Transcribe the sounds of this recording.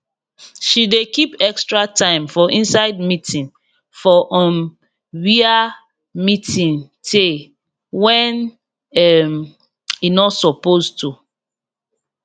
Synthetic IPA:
ʃidekipɛkstɹatãɪ̃mfɔʔĩnsaɪd̚mitʰĩŋ | fɔʔɔn | ɹia | mitĩŋtʰe | wɛ̃n | ɛm | inɔtsɔpoztu

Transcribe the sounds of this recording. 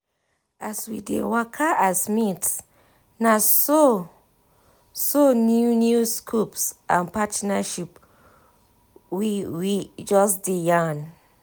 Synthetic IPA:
aswidḛwakʰaʔasmit | naso | sonjunjuskʰupsʔã̰npatnaʃip | wiwid͡ʒɔsdijan

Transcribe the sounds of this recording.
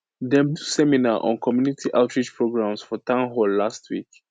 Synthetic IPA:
dɛ̃mdusɛminaʔɔ̰̃nkʰɔmjunitʰiʔaʊtʰɹid͡ʒpʰɹoɡɹãmsfɔtãʊ̃nɦɔlːastʰwḭk

